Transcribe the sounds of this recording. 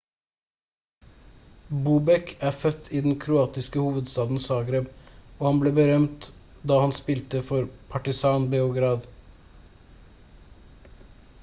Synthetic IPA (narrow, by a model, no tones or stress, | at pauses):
buːbɛkʰæːfœt̪ʰiːd̪n̩kʰɾʊɑːt̪ɪskəhuːʋəd̪st̪ɑːd̪n̩sɑːɡɾeːboːhɑnbleːbəɾœmt̪ | d̪ɑːhɑnspɪlt̪əfɔɾpʰɑʈɪsɑːnbeːʊɡɾɑːd̪